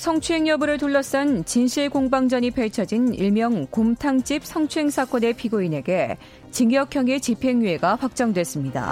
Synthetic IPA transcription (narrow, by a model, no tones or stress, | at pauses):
sʰʌŋt͡ɕʰue̞ŋjʌbɯɾɯɭt̬oɭːʌs͈ʌnt͡ɕinɕʰiɭkoŋbaŋd͡ʑʌɲipʰeɭt͡ɕʰʌd͡ʑinḭɭmjʌŋkomtʰaŋt͡ɕ͈ip̚sʰʌŋt͡ɕʰue̞ŋsʰak͈ʌne̞pʰiɡoine̞ɡe̞ | t͡ɕiŋjʌkʰjʌŋe̞t͡ɕipʰe̞ŋɥie̞ɡapak̚t͡ɕ͈ʌŋdwe̞s͈ɯmɲida̰